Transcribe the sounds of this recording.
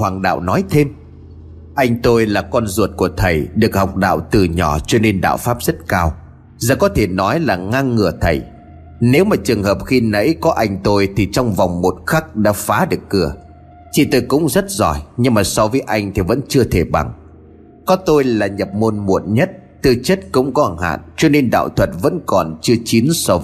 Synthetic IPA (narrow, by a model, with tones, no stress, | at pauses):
hwaː˨˩ŋɗa̰ː˧˨wnɔ˨˦jt̪ʰe˧m | ʔa˧jŋ̟t̪o˧jlaː˨˩kɔ˧nzu˨˩ət̚ku˧˩ət̪ʰə˨˩jɗɨ˨˩ək̚ha˨˩wk͡p̚ɗa̰ː˧˨wt̪ɨ˨˩ɲɔ˧˩t͡ɕɔ˧ne˧nɗa̰ː˧˨wfaː˦˥p̚z̥ə˦˥t̚kaː˧w | zə˧˩kɔ˨˦t̪ʰe˧˩nɔ˨˦jlaː˨˩ŋa˧ŋːɨ˨˧˩ət̪ʰə˨˩j | ne˨˦wmaː˨˩t͡ɕɨ˨˩əŋhəː˨˩p̚xi˧nə̰˧˥jkɔ˨˦ʔa˧jŋ̟t̪o˧jt̪ʰi˨˩t͡ɕɔ˧wŋ͡mva˨˩wŋ͡mmo˨˩t̚xa˦˥k̚ɗa̰ː˧˥faː˨˦ɗɨ˨˩əkːɨ˧˩ə | t͡ɕ̪ʰi˨˩t̪o˧jkʊ̰˧˥ŋ͡mzə˦˥t̚zɔ˧˩jɲɨ˧ŋmaː˨˩sɔ˨˧vəː˨˦jʔa˧jŋ̟t̪ʰi˨˩və̰˧˥nt͡ɕɨ˧ət̪ʰe˧˩ɓa̰˨˩ŋ | kɔ˨˦t̪o˧jlaː˨˩ɲə˨˩p̚mo˧nmṵ˧˨ənɲə˦˥t̚ | t̪ɨ˨˩t͡ɕə˦˥t̚kʊ̰˧˥wŋ͡mkɔ˨˦˨ha̰ː˧˨nt͡ɕɔ˧ne˧nɗa̰ː˧˨wt̪ʰwə˨˩t̚və̰˧˥nkɔ˨˩nt͡ɕɨ˧ət͡ɕi˨˦nsɔ˧